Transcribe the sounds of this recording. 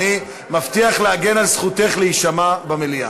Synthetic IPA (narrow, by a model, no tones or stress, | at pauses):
i | maft̪iaχleaɡe̞nalsχute̞χleiʃamabamelia̰